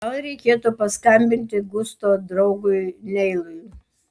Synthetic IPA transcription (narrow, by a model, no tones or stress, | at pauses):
ɐlˠɾʲɛɪkʲeːt̪upɐskɐmʲbʲɪnʲt̪ʲɪɡʊst̪oːd̪ɾɐʊɡʊɪnʲɛɪlˠʊj